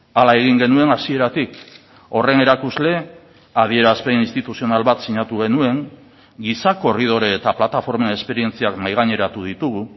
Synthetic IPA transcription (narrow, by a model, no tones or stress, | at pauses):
alae̞ɣ̞iŋɡe̞nue̞nasie̞ɾat̪ik | o̞re̞ne̞ɾakuzle̞ | að̞ie̞ɾaspe̞inst̪it̪usio̞nalβat̪siɲat̪uɣ̞e̞nue̞ŋ | ɡisako̞rið̞o̞ɾeːt̪aplat̪afo̞ɾmenespe̞ɾie̞nt͡siaknajɣ̞aɲe̞ɾat̪uð̞it̪uɣu